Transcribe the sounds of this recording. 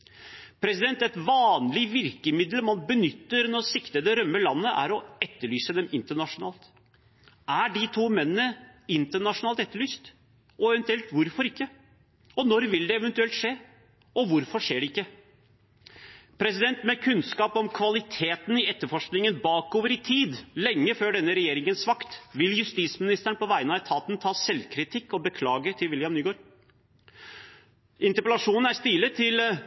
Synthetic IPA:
pʰɾɛsɪd̪ɛnt̪ɛt̪ʋɑːnlɪʋɪɾkəmɪd̪lmɑnbənʏt̪ːəɾnɔsɪkt̪əd̪ɛɾœmːəlɑnːəʔæ̰ɾɔɛt̪ːəɭyːsəd̪ɛmɪnt̪əɳɑʂʊnɑ̰ːlt̪ | ʔæɖɪt̪ʰuːmɛnːənəɪnt̪əɳɑʂʊnɑːlt̪ɛt̪ːəɭyːst̪ | ɔɛʋɛnt̪ʉɛlt̪ʋʊɾfɔɾɪkːə | ɔnɔɾʋɪld̪ɛɛʋɛnt̪ʉɛlt̪ʂeː | ɔʋʊɾfɔʂeːɖɛɪkːə | pʰɾɛsɪd̪ɛnt̪mɛkʰʉnskɑːpɔmkʰʋɑlɪt̪ʰeːt̪nɪɛt̪ːəɾfɔʂknɪŋənbɑːkoːʋəɾɪt̪ʰiːd̪lɛŋːəføːɖɛnːəɾɛjeːɾɪŋənsʋɑkt̪ʋɪljʉst̪iːsmɪnɪst̪əɳpɔʋæɪənɑɛt̪ʰɑːt̪nt̪ʰɑːsɛlkʰɾɪt̪ʰɪkːɔbəkʰlɑːɡət̪ʰɪlʋɪljɑmnyːɡoːɾ | ʔɪnt̪əɾpɛlɑʂuːnn̩æst̪ɪlːət̪ʰɪl

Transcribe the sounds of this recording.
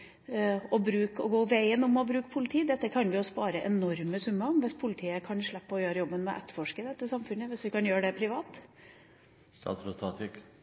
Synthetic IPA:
ɔbɾʉːkɔɡoːʋæɪənɔmɔbɾʉːkpʰʊlɪt̪ʰiːd̪ɛt̪ːəkʰɑnʋɪɔspɑːɾəʔɛnɔɾməsʉməŋʋɛspʰʊlɪt̪ʰiːəkʰɑnʂɭɛpːəɔjøːɾəjɔbːənmɛ̰ʔɛ̰t̪ːəfɔʂkəd̪ɛt̪ːəsɑmfʉnːəʋɛsʋɪkɑnjøːɖɛpʰɾɪʋɑːt̪ | st̪ɑ̰ːt̪sɾɔt̪ʰɑt̪ʰɪk

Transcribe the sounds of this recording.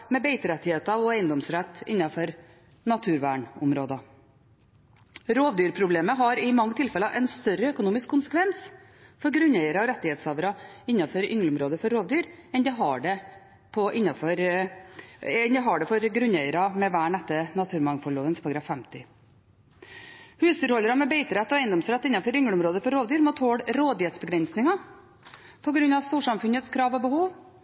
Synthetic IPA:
mɛbeɪt̪əɾɛt̪ːɪheːt̪ɑɔæɪənd̪ɔmsɾɛt̪ːɪ̰nːɑfɔɾ | nɑt̪ʰʉːɾʋæːɳʊmɾoːd̪ɑ | ɾoːʋd̪yːɾpʰɾʊbleːməɦɑɾɪmɑŋːət̪ʰɪlfɛlɑʔɛnst̪œɾəœkʊnuːmɪskʰːʊnsə̥kʰʋɛns | fɔɾɡɾʉnæɪəɾɑɔɾɛt̪ːɪheːt̪sɑʋəɾɑɪnːɑfɔɾʏŋləʊmɾoːd̪əfɔɾːoːʋd̪yːɾɛnd̪ɛɦɑɖɛ | pʰɔʔɪnːɑfɔɾ | ɛnd̪ɛɦɑɖɛfɔɾɡɾʉnɛɪəɾɑmɛʋæːɳɛt̪ːənɑt̪ʰʉːɾmɑŋfɔɭoːʋənspʰɑɾɡɾɑfɛmt̪ɪ | hʉːsd̪yːɾɔlːəɾɑmɛbɛɪt̪əɾɛt̪ːɔæɪənd̪ɔmsɾɛt̪ːɪnːɑfɔɾʏŋɭəʊmɾoːd̪əfɔɾoːʋd̪yːɾmɔt̪ʰoːɽɾoːd̪jɛːt̪sbəɡɾɛnsnɪŋɑ | pʰɔɡɾʉnːɑʋst̪uːʂɑmfʉnət̪skʰɾɑːʋɔbəhuːʋ

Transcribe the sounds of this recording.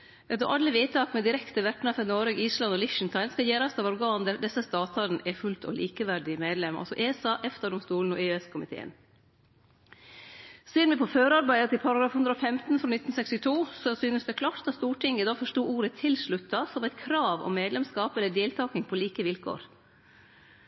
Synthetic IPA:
ɛt̪ɔʔɑlːəʋeːt̪ɑːkmɛd̪ɪɾɛkt̪əʋɛʈɳ̩ɑfɛnoːɾəɡiːslɑnɔlɪʃn̩t̪ʰɑɪnskɑjeːɾɑst̪ɑʋɔɾɡɑːnd̪æɾd̪ɛsːəst̪ɑːt̪ʰɑɾn̩ʔɛfʉlt̪ʰɔ̰lʔiːkəʋæɖɪmeːd̪lɛmʔɑ̰sɔʔeːsɑʔɛft̪ɑɖɔmst̪uːln̩ɔʔeɛskʰʊmɪt̪ʰḛːə̰n | seːɾmɛpʰɔføːɾɑɾbæɪd̪ət̪ɪlpʰɑɾɑɡɾɑːfhʉnd̪ɾəɔfɛmt̪n̩fɾoːnɪt̪n̩sɛkst̪ɪt̪ʰuːsɔsyːnəsd̪ɛkʰlɑːʈt̪ɑst̪uːʈʰɪŋːəd̪ɑːfɔʂʈuːʔuːɾət̪ʰɪlʂɭʉt̪ʰːɑsɔmɛt̪kʰɾɑːʋɔ̰mːeːd̪lɛmskɑːpɛlːəɖeːlt̪ʰɑːknɪŋpʰɔliːkəʋɪlkʰo̰ːɾ

